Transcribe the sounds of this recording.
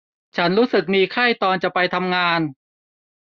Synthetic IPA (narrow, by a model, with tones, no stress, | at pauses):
t͡ɕʰa˦˥nɾuː˦˥sɯ˨˩k̚miː˧kʰa˥˩jt̪ɔː˧nt͡ɕa˨˩pa˧jt̪ʰa˧mŋaː˧n